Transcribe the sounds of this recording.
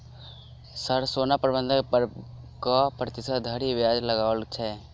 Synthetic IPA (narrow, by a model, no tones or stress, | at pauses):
səɾsoːnapɾbə̃nd̪ʱ | kapɾət̪ɪsad̪ʱəɾiʋjaːd͡ʒləɡaːʋəlt͡ʃʰɛ